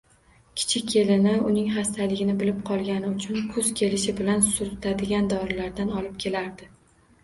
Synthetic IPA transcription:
kʲʰɪ̥t͡ʃʰɪkʲʰːe̞lɪnɪʊnɪŋɦast̪ʰalɪɡʲɪnɪbɪlɪp̚qʰɒlˠɡʲanɪʊt͡ʃʰʊnkʰʊz̥kʲʰe̞lɪʃɪbɪlansʊɾt̪ʰad̪ɪɡʲand̪ɒɾɪlaɾd̪anɒlˠɪp̚kʲʰe̞laɾd̪ɪ

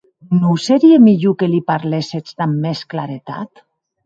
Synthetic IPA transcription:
nowseɾiemiʎukelipaɾleset͡sd̪amːesklaɾet̪a̰t̪

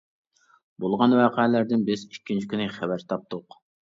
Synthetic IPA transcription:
bolˠʁɑnwɑːqʰɛɛlæɾd̪ɪnbɪzikʲːint͡ʃʰi̥kʲʰynɪχæbæɾt̪ʰɑp̚t̪ʰʊq

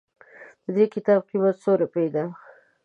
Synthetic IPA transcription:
p̪əd̪ekɪt̪ɑb̚qimat̪soɾapejd̪a

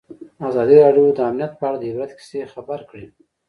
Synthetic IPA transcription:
azɑd̪iɾɑɖjod̪əamnijat̪̚pəaɽad̪əɪbɾad̪kɪ̥sexabaɾkɽi

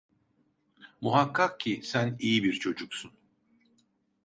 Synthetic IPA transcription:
muɦakʰːak̚cʰisænijibiɾt͡ʃʰo̞d͡ʒuksun

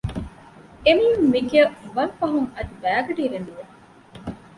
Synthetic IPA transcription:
emijumːiɡeʋɐɾfɐɦuŋɐd̪ibæːɡɐɖiːʋenuʋe

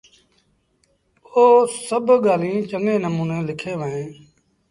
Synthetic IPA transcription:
oːsəbʱɠaːlĩːt͡ʃəŋɡẽːnəmuːnẽːlɪkʰeːʋəɦẽː

